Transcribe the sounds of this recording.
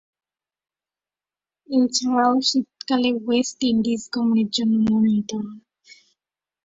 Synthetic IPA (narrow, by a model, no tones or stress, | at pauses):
et͡ɕʰaɾaoʃit̪kalewesʈiɳɖizɡɔmoneɾd͡ʑonːonomit̪on